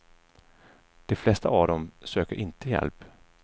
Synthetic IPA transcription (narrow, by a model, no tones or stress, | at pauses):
d̪̥ɛflɛst̪aavd̪ɔmsøːkəɾʔɪnt̪əjɛ̰lp